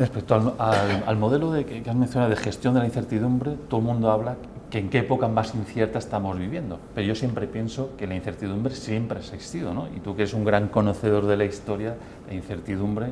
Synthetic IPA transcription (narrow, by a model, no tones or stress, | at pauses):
respek̚t̪oalala̰lmo̞ð̞e̞loðekkeazmẽn̟θjonaðoðexe̞st̪jond̪elain̟θeɾt̪iðumbɾe̞t̪oðomũnd̪oaβla | keŋkeepo̞kamasin̟θje̞ɾt̪aest̪amo̞zβiβje̞nd̪o̞pe̞ɾoʝo̞sje̞mpɾe̞pje̞nso̞ke̞lain̟θe̞ɾt̪iðumbɾe̞sje̞mpɾeasist̪ið̞o̞no̞ḭt̪uke̞ɾe̞suŋɡɾaŋko̞no̞θe̞ð̞o̞ɾðe̞laist̪o̞ɾja | ðein̟θe̞ɾt̪iðumbɾe